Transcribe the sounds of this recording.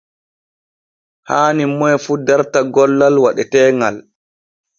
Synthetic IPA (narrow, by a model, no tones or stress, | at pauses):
haːnimːɔjfuːdaɾtaɡɔlːalwaɗɛtɛːŋa̰l